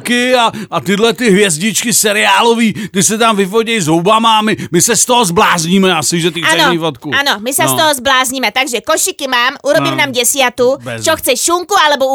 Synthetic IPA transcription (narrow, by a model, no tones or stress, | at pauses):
kɪaat̪ɪdlɛt̪ɪɦvjɛzɟɪt͡ʃkɪsɛɾɪaːloviːt̪ɪsɛt̪̬amvɪfoɟɛjzɦowbamaamɪmɪsɛst̪oɦozblaːzɲiːmɛasɪʒɛt̪iaɛnoɲifot̪kuʔanomɪsast̪oɦɔzblaːzɲimɛt̪aɡʒɛkoʃɪkɪmaːmʔuɾobimnamɟɛsjat̪ut͡ʃoxt͡sɛʃuŋkualɛbo